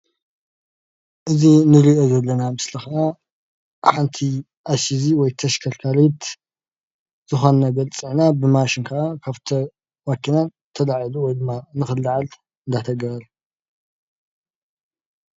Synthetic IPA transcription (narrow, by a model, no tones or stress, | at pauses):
ʔɨzinɨɾiʔozɐlːɐnamɨslixaa | ħant̪ʰi | ʔasiziwɔjt̪ʰɐʃkʰɐlkʰalet̪ | z̥ɨxonɐɡɐlt͡sʼiʕnabɨmaʃɪnkʰɐʔakʰaβt̪ʰɐ | makʰinan | t̪ʰɐlaʕiluwɔjd̪ɨmːanɨxɨlːaʕal | ɨnd̪at̪ʰɐɡɐɾɐl